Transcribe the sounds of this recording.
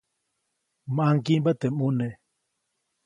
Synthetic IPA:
maŋkimbat̪emune

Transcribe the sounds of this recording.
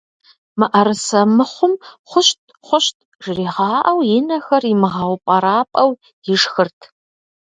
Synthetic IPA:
mɨʔɐɾɨsɐmɨχʷʊmχʷʊʃtʰʼ | χʷʊʃtʰʼ | ʒriːʁɑːʔɐwjɪnɐxɐrimɨʁɑwpʼɐɾaːpʼɐw | jɪʂxɨrtʰ

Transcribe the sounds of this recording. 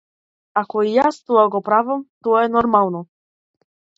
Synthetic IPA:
akɔijast̪uaɡɔpɾavamt̪ɔɛnɔɾmalˠnɔ

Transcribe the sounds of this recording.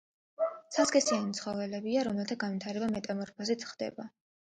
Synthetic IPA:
sʰaskʼɛsianit̪sʰχɔvɛlɛbiaɾɔmɛlˠt̪ʰaɡanvit̪ʰaɾɛbamɛt̪ʼamɔɾpʰazit̪sʰχd̪ɛ̰ba

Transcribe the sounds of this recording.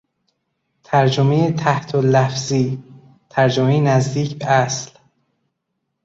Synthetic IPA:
t̪ʰæɾd͡ʒomejet̪ʰæht̪ʰolæfziː | t̪ʰæɾd͡ʒomejenæzd̪iːcʰbeæsl

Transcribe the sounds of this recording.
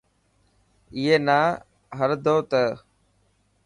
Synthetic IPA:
iɦeːnaː | ɦəɾd̪ʱoːt̪əː

